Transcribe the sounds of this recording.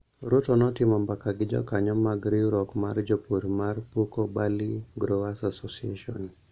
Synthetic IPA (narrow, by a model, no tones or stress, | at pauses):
ɾotɔnɔtɪmɔmbakaɡɪd͡ʒɔ̰kaɲɔmaɡɾiɾɔkmard͡ʒɔpoɾmarpokɔbaliɡɾowasasosiḛʃɔ̰n